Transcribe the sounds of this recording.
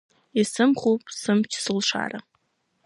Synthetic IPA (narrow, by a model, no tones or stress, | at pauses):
isɨmχupʼsɨmt͡ʃʰsɨlʂa̰ɾa